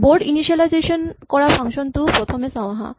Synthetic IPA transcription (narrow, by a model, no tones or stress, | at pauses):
boɾɖiniʃialajzeʃonkɔɾafʰaŋʃont̪upɾot̪ʰomesaõaɦa̰